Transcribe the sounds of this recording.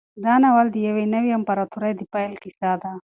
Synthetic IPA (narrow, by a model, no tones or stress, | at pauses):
d̪ɑnawald̪əjawenawjampaɾat̪ʰuɾajd̪əpajlkisad̪a